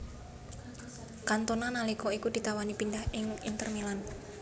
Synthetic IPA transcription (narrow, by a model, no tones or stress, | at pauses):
kant̪onanalikɔikud̪̥i̤t̪awanipindahʔɪŋḭnt̪ərmilan